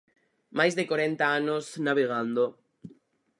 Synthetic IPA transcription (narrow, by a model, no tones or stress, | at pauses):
majzðekwaɾent̪aanosnaβeɣand̪o